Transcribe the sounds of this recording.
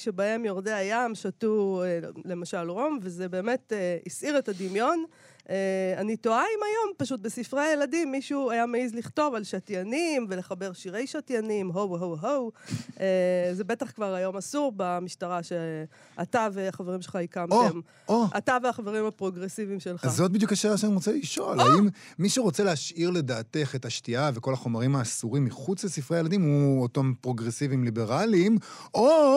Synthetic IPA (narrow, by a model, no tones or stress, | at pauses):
ʃebae̞mjoʁd̪eajamʃatuele̞maʃalʁo̞mvezebe̞ːme̞teisʔiʁetad̪imjo̞n | eanito̞aimajo̞mpaʃut̚besifʁeajeladimːiʃuajameizliχto̞valʃatjanimve̞le̞χabe̞ʁʃiʁe̞jʃatjanimɦowɦowɦowʔezebe̞taχkvaʁajo̞masuʁbamiʃtaʁaʃe | at̪aveaχaveʁimʃelχaikamoem | oʔataveaχaveʁimapʁo̞ɡʁesivimʃe̞lχazot̪̚bid̪jukaʃelaʃaniʁot͡seliʃolaimːiʃeʁo̞t͡seleaʃiʁle̞daːt̪e̞χetaʃtiave̞ko̞laχo̞maʁimaːsuʁimːiχut͡slesifʁeajelad̪imhuotompʁo̞ɡʁesivimlibe̞ʁalimo